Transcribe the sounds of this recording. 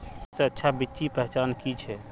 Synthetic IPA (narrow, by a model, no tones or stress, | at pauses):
seətːʃʰabitːʃipɛɦɛt͡ʃankit͡ʃʰɛ